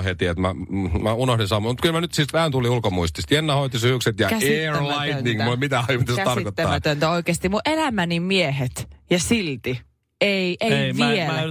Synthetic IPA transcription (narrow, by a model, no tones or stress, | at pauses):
het̪iet̪mæmæunohdinsɑmːomut̪̚kylmænyt̪sist̪ʋæænt̪uliulkomuist̪ist̪jenːɑhoit̪isyhykset̪jɑeːrlɑit̪niŋmulmit̪æɑmut̪ːæst̪ɑrkkot̪ːɑ̰ːæt̪ønt̪æoikeːst̪imuʔʔelæmænimieɦet̪jɑsilt̪i | eiʔeʋie